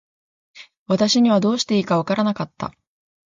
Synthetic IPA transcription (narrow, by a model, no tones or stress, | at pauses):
βat̪aɕiɲ̟iβad̪o̞ːɕi̥t̪e̞iːkaβakaɾanakat̪ːa̰